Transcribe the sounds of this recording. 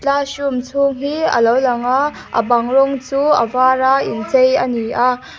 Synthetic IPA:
t͡ɬaɕumt͡sʰuŋɦiə̰lowlɐŋa | ə̰bɐŋɾɔŋt͡suə̰vaːɾaint͡sejəniʔa

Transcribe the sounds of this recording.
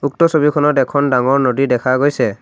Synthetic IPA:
uk̚tɔsobikʰɔnɔtɛkʰɔndaŋɔɹnodidɛkʰaɡojsɛ

